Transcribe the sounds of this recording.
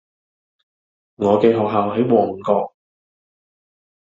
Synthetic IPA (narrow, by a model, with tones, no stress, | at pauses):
ŋɔː˨˧kɛː˧ɦɔː˨k̚ɦaː˨wɦɐ˨˥jwɔː˨˩ŋ˨kɔː˧k̚